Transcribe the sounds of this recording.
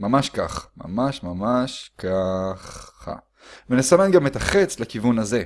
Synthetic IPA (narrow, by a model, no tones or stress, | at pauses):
mamaʃkaχma̰maʃmamaʃkʰaχa̰ | venesamenɡamet̪aχet͡slakivunaze̞